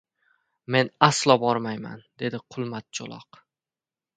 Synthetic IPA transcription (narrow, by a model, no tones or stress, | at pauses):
me̞naslˠɒbɒɾmajma̰nd̪̥e̞d̪ɪqʰʊlˠmat̪̚t͡ʃʰo̰lˠɒ̰q